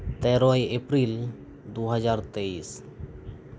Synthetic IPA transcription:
t̪ɛɾɔjepɾil | d̪uɦəd͡ʒaːɾt̪eiːs

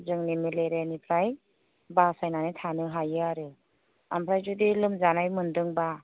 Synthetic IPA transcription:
zɯŋnimileɾenipʰɾaj | basajnanitʰanɯɦajɯaɾɯ | a̰mpʰɾajzudilɯmzanajmɯndɯŋba

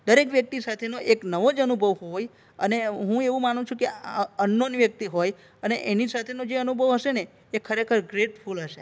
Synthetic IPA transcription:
d̪əɾekʋjək̚t̪isat̪ʰenoʔeknəʋod͡ʒənubʱəʋɦoj | əneɦũeʋũmanũt͡ʃʰũkeənːonʋjək̚t̪iɦoj | əneʔenisat̪ʰenod͡ʒeənubʱəʋɦəʃeneː | kʰəɾekʰəɾɡɾeʈfʰulɦəʃe

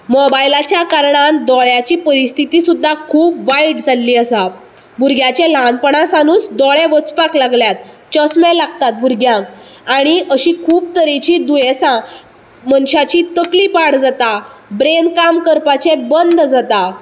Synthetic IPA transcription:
mɔbajlat͡ɕjakaɾɳãnd̪ɔɭjat͡ɕiːpəɾist̪ʰit̪isud̪ʱːakʰuːpʋaiʈd͡zalːiːəsa | buɾɡʱjãt͡ɕelanpəɳãsanuːt͡sd̪ɔɭẽʋət͡spaklaɡljat̪̚ | t͡ɕəsmẽlaɡ̚t̪at̪̚bʱuɾɡjãkaɽ̃iʔəɕiːkʰuːb̚t̪əɾit͡ɕid̪ujesã | mənɕat͡ɕit̪əklipaɽd͡zat̪abɾenkamkəɾpat͡ɕebənd̪ʱd͡zat̪a

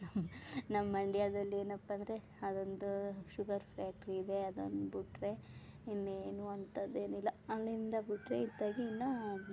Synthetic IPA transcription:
nɐmnɐmːɐɳɖijaːd̪ɐlːie̞ːnɐpːɐnd̪ɐɾe | ɐd̪ond̪uʃuɡɐɾpʰɾaːk̚ʈɐɾiːd̪e̞ɐd̪o̰nd̪ubuʈɾeinːeːnuɐnt̪ɐd̪e̞ːnuilːɐɐlːind̪ɐbuʈɾḛid̪ːaːɡiːnːɐ

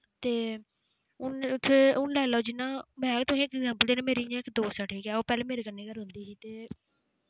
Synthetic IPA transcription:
t̪eː | ʊnt̪ʰːeːʊnlɛːlaoːd͡ʒɪnːãːmɛ̃ːkt̪ʊsĩːɪkɛɡzɛ̃ːmpəld̪eːnːmeːɾiːjãːɪkd̪oːsəʈʰeːkaːoːpɛːleːmeːɾeːkənːeːɡəɾɦʊ̃nd̪iːsiːt̪eː

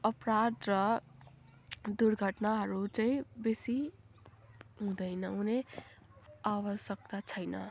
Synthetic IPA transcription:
əpɾad̪ɾʌ | d̪uɾɡʱəʈnaɦʌɾut͡ʃaĩbesi | ɦũd̪əɪnʌune | aʋəsjək̚t̪at͡ʃʰəjnə̰

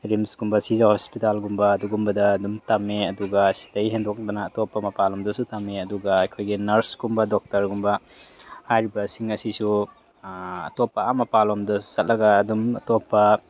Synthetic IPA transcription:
ɾimsɡumbɐsizahospitalɡumbɐːduɡumbɐdɐːdumtameɐduɡɐsi̥tɐjɦendɔk̚dɐnɐːtopːɐmɐpalɔmdɐsutamːeɐduɡɐːjkʰojɡinɐɾsɡumbɐdɔk̚tɐɾɡumbɐhajɾibɐsiŋɐsisu | ɐ̰topːɐamɐpalɔmdɐsɐt̚lɐɡɐːdumɐ̰topːɐ

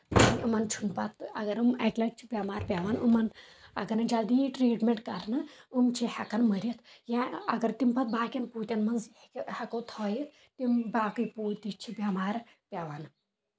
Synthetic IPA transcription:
anumɐnt͡ʃʰunpɐt̪ʰɐ̰ɡɐɾɨmɐkʲlɐt͡ʃʰi̥bʲaːmaːɾpʲaːʋanumɐn | ɐ̰ɡɐnɨd͡ʒald̪ijʈɾiːʈmʲeɳʈkɐɾnɨumt͡ʃʰihɐkɐnməɾʲit̪jãɐɡɐɾt̪impɐt̪̚baːkʲɐnpuːt̪ʲɐnmɐnzhɐkowt̪ʰɔːjit̪ | t̪imbaːkɨjpuːt̪it͡ʃʰibʲamaːɾ | pʲaʋan

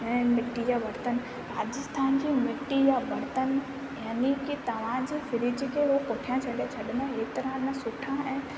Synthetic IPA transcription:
jamɪʈːijaʋɐɾt̪ən | ɾaːd͡ʑɪst̪ʰaːnd͡ʑiːmɪʈːijaʋɐɾt̪ən | jaːnikit̪ɐʋ̤ãd͡ʑifɪɾɪd͡ʑikʰeɦopoʈʰijãt͡ɕʰɐɗet͡ɕʰɐɗɪnẽɦeːt̪ɐɾə̃nəsʊʈʰãɛ̃ː

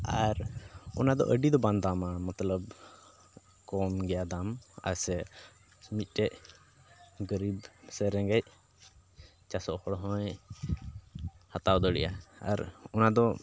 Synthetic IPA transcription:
aɾɔ̰nad̪ɔ̰ʔəɖid̪ɔband̪amamət̪ləb | kɔmɡɛjad̪ama̰sɛ | mit̪̚ˀʈɛʔ | ɡəɾibsɛɾɛŋɡɛc̚ | t͡ʃasɔʔhɔɽɦɔ̃j | hat̪awd̪ɔɽɛ̰ʔa̰a̰ɾɔnad̪ɔ

